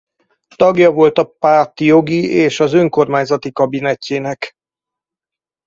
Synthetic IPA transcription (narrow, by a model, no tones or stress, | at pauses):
t̪ɒɡjɒvo̞lt̪ɒpaːrt̪jo̞ɡieːʃɒzø̞ŋko̞rmaːɲzɒt̪ikɒbinɛcːeːnɛk